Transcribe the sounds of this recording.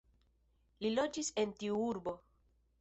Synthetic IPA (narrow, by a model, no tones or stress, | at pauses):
lilo̞d͡ʒise̞ntiuuɾbo̞